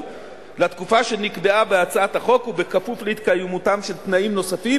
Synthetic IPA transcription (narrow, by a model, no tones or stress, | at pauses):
lat̪kufaʃe̞nikbe̞abe̞at͡saat̪aχo̞kube̞kafufleit̪̚kajemutamʃe̞lt̪naimno̞safi